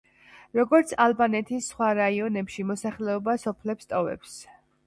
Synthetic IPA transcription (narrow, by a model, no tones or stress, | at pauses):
ɾɔɡɔɾt̪sʰalˠbanɛt̪ʰisːχwaɾaiɔnɛpʃimɔsaχlɛɔbasɔpʰlɛpst̪ʼɔvɛ̰ps